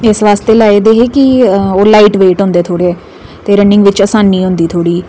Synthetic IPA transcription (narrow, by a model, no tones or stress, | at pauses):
ɪsʋaːst̪eːlaːed̪eːɦeːkɪoːlaːiːʈʋeːʈɦõnd̪eːt̪ʰoːɽeː | t̪eːɾənːɪ̃ŋɡʋɪt͡ʃəsaːnːiːɦʊ̃nd̪iːt̪ʰoːɽiː